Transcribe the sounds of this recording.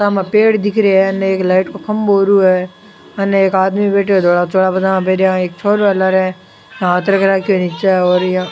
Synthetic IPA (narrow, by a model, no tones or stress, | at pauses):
tamapeːɽd̪ɪkʰɾeɛɐneeːklaːɪʈkokɐmboːɾuɦɛː | ɐneeːkaːd̪mibeːʈeod̪oːɽat͡ʃoːɽabɐd̪ãbeːɾeãeːk̚t͡ʃʰoːɾʋalaɾɛ̃ | jãːt̪ɾəkɾaːkionɪt͡ʃaɛɔːɾjã